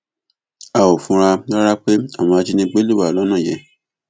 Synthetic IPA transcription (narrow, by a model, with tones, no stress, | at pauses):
a˨o˨fũ˨˧˦ɾa˧la˦ɾa˦k͡pe˦a˦˨w̃ɔ̃˧a˧d͡ʒi˧˦nĩ˧ɡ͡be˦le˦˨a˨lɔ˦nũ˦˨jɛ˨